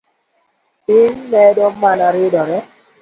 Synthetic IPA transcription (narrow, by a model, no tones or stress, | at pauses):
inmɛdɔmanaɾɪdɔɾɛ